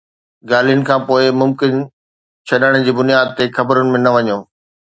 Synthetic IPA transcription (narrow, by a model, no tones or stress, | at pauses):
ɡaːl̤ijʊnɪ̆kʰãːpoːɪmʊmkɪn | t͡ɕʰɐɗəɽ̃ʊ̃̆d͡ʑiːbʊnijaːd̪̚t̪exɐbəɾʊnɪ̆mẽnɐʋɐɲoː